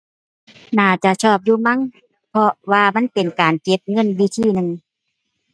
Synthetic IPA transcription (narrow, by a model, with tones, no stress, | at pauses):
naː˧˩t͡ɕa˧˨t͡ɕʰɔː˧˩p̬̚juː˧˨ma˧˥˨ŋ | pʰɔ˧waː˧ma˧˥˨npe˨nkaː˨nke˧˦p̚ŋɤ˧˥˨nwi˧˦t̪ʰiː˧˩˨nɯ˧ŋ